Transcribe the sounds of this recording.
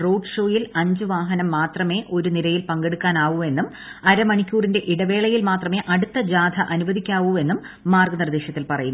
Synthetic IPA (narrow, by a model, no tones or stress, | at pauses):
ro̞ːɖʂo̞ːjilɐɲd͡ʑuʋaːɦɐnɐmːaːt̪rɐme̞ːʔo̞ɾuniɾɐjilpɐŋɡeɽukːaːnaːʋume̞nːum | ɐɾɐmɐɳikʲːuːrinde̞ʔiɽɐʋe̞ːɭɐjilmaːt̪rɐme̞ːʔɐɽut̪ːɐd͡ʑaːd̪ʱɐʔɐnuʋɐðʱikʲːaːʋue̞nːumː | aːrɡɐnird̪eːɕjɐt̪ːilpɐrɐjunː